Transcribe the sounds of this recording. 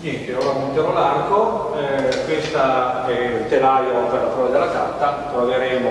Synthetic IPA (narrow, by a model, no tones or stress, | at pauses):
it̪eoːɾamunt̪jaɾolarko | ɛkwest̪aɛlt̪elajopelafɾɔːd̪ad̪elːaka̰t̪ːat̪ɾoveɾɛːmo